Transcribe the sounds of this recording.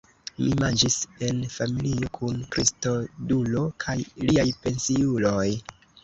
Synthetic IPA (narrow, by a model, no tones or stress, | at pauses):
mimand͡ʒise̞nfamilio̞kʰunkɾisto̞dulo̞kʰajliajpe̞nsiulo̞j